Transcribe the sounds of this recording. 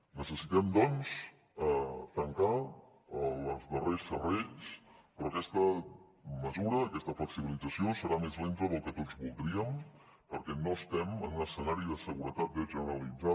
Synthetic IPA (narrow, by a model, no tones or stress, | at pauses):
nəsəsit̪ɛmd̪ɔns | t̪əŋka | əlˠəzðəresːərɛʎspɾɔkɛst̪ə | məzuɾəːkɛst̪əfləksiβilid͡zəsiosəɾamezlent̪əðəlˠkət̪od͡zβulˠd̪ɾiəm | pəɾkɛnoəst̪ɛmənunəsənaɾiðəsəɣuɾət̪at̪̚βeʒənəɾəlid͡za